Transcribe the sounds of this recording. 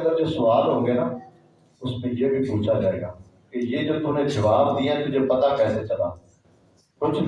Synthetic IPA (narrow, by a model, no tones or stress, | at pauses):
d̪əɾd͡ʒeːsʊʋaːlɦoːɡeːnaː | ʊspẽːjeːbʱiːpuːt͡ʃʰaːd͡ʒaːḛːɡa̰ː | kɪjeːd͡ʒoːt̪ʊnẽːd͡ʒəʋaːbd̪ɪːɛ̃ːt̪ʊd͡ʒẽːpət̪aːkɛːseːt͡ʃəla̰ː | kʊt͡ʃʰ